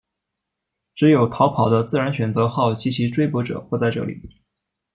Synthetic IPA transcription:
ʈ͡ʂɻ̩˧˥jo˨˩ʊt̪ʰɑ˧˥ʊpʰɑ˨˩ʊd̪ə˦t͡sɹ̩˥˩ɻa˧˥nɕɥɛ˨˩nt͡sɤ˧˥xɑ˥˩ʊt͡ɕi˧˥˩t͡ɕʰi˧˥ʈ͡ʂwe˥ɪpwɔ˧˥ʈ͡ʂɤ̰˨˩xwɔ˥˧t͡sa˥˧ɪʈ͡ʂɤ̰˥˩lḭ˨˩˦

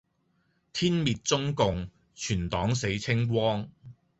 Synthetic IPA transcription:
t̪ʰiː˥nmiː˨t̚t͡sʊ˥ŋkʊ˨˧ŋ | t͡ʃʰyː˨˩nt̪ɔː˨˥ŋse˨˥jt͡sʰɪ˥ŋwɔː˥ŋ

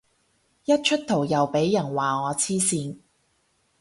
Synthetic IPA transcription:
jɐ˥t̚t͡ʃʰɵ˥t̚t̪ʰo˨˩wjɐ˨wpe˨˥jːɐ˨˩nwaː˨˩ŋɔː˨˧t͡sʰiː˥siː˧n

